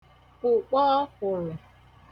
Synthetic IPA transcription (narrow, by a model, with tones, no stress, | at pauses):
ʊ˨k͡pɔː˦kʊ˨ɾɪ˨